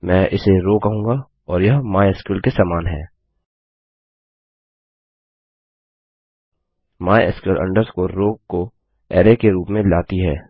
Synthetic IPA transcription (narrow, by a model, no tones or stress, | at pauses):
mɛ̃ːʔɪseɾoːkɐɦũːɡa | ɔːɾjɐɦmaːjəskɪlkesaːmaːnɦɛ̰ː | maːjɪskɪlʔɐ̰̃ɳɖəɾskoɾoːko | ɛːɾekeɾuːpmẽlaːt̪iɦɛː